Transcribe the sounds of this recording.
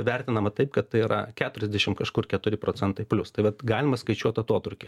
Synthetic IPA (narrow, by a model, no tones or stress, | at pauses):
ʋʲærʲt̪ʲɪnɐmɐt̪ɐɪpkɐt̪ːɐɪiɾʔɐ̰kʲæːt̪ʊɾʲɛzʲd̪ʲɛʃʲɪmkɐʃkʊrkʲɛt̪ʊɾʲɪpɾoːt͡sʲɛnt̪ɐɪpʲlʲʊst̪ɐɪʋɐt̪ɡɑːlʲɪmɐskɐɪt͡ʃʲuɔt̪ɐt̪uɔt̪ʊɾʲkʲe